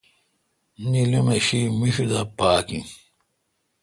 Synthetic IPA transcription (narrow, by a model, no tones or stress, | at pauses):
nilumeɕimiɕud̪ɐpaːkĩ